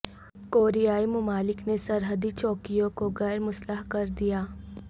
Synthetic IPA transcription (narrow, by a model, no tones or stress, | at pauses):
koːɾijaːimʊmaːlɪknesɐɾɦəd̪it͡ʃɔːkijõkoɣɛːɾmʊsləɦkɐɾd̪ijaː